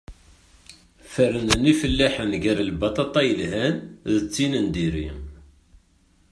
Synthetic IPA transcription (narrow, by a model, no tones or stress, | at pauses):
fəɾənənifəlːæħənʝæɾəlbɑt̪ˤɑt̪ˤɑjəlɦænðət͡sːinənd̪iɾi